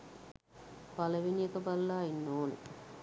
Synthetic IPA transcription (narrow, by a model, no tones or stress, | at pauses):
palɐʋinijekəbalːaːinːoːnḛ